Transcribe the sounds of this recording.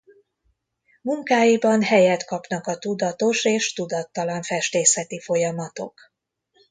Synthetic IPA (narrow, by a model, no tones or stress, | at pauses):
muŋkaːjibɒnhɛjɛt̪kɒpnɒkɒt̪ud̪ɒt̪o̞ʃeːʃt̪ud̪ɒt̪ːɒlɒɱfɛʃt̪eːsɛt̪ifo̞jɒmɒt̪o̞̰k